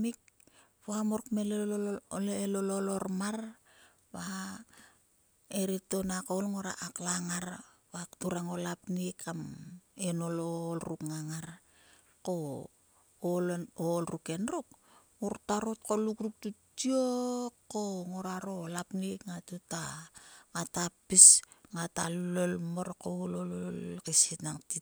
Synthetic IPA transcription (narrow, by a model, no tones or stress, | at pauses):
mik̚ | poamoɾkmele | elololo̞ɾmar | βa | eɾito̞nakolŋoɾa̰ʔaklaŋaɾ | βaktuɾaŋo̞lapnikamenololɾukŋaŋaɾ | ko̞ː | lonolruke̞nruk̚ | ŋuɾtaɾotkolukruk̚tutiokːoŋoɾaɾolapnikŋatutaŋatapisŋatallolmoɾkoulololkesitnaŋti